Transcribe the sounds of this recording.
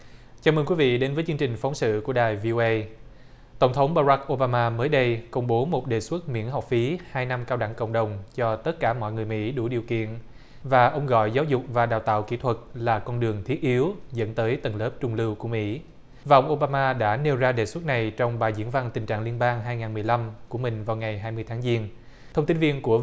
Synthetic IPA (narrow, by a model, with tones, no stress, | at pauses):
t͡ɕaː˨˦məː˧nkwi˨˦vḭ˧˨ɗe˨˦nvəː˨˦jt͡ɕɨ˧ŋt͡ɕï˨˩ŋ̟fɔ˨˦ŋ͡msɨ̰˧˨ku˧˩əɗaː˨˩jvi˧ʔo˧ʔə˧j | t̪ə˧˩wŋ͡mt̪ʰə˨˦wŋ͡mɓaː˧za˦˥k̚ʔo˧ɓaː˧maː˧məː˨˦jɗə˧jkə˧wŋ͡mɓo˨˦mo˨˩t̚ɗe˨˩swə˦˥t̚mḭ˧˥ənɦɔ˨˩wk͡p̚fi˨˦haː˧jna˧mkaː˧wɗa˧˩˨ŋkə̰˧˨wŋ͡mɗə˨˩wŋ͡mt͡ɕɔ˧t̪ə˦˥t̚kaː˧˩mɔ̰˧˨jŋɨ˨˩əjmḭ˧˥ɗu˧˩ɗi˨˩əwkḭ˧˨ən | vaː˨˩ʔə˧wŋ͡mɣɔ̰˧˨jzaː˨˦wzʊ˨˩k͡p̚vaː˨˩ɗaː˨˩wt̪a̰ː˧˨wki˧˥t̪ʰwə˨˩t̚laː˨˩kɔ˧nɗɨ˨˩əŋt̪ʰi˦˥ət̚ʔi˨˦əwzə̰˧˥nt̪əː˨˦jt̪ə˨˩nləː˦˥p̚t͡ɕʊ˧ŋ͡mlɨ˧wku˧˩əmḭ˧˥ | vaː˨˩ʔə˧wŋ͡mʔo˧ɓaː˧maː˧ɗa̰ː˧˥ne˧wzaː˧ɗeː˨˩swə˦˥t̚na˨˩jt͡ɕɔ˧wŋ͡mɓaː˨˩jzḭ˧˥ənva˧nt̪ï˨˩ŋ̟t͡ɕa̰ː˧˨ŋli˧ənɓaː˧ŋɦaː˧jŋaː˨˩nmɨ˨˩əjla˧mku˧˩əmï˨˩ŋ̟vaː˨˩wŋa˨˩jɦaː˧jmɨ˧əjt̪ʰaː˨˦ŋzi˧ən | t̪ʰə˧ŋ͡mt̪i˨˦nvi˧ənku˧˩ə